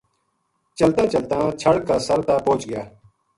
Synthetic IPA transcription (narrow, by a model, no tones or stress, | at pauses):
t͡ʃəlt̪ãːt͡ʃəlt̪ãːt͡ʃʰəɽkaːsəɾt̪aːpõːt͡ʃɡɪjaː